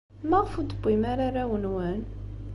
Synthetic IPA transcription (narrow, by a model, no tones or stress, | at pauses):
mæʁfud̪əbːimaɾaɾawənwæn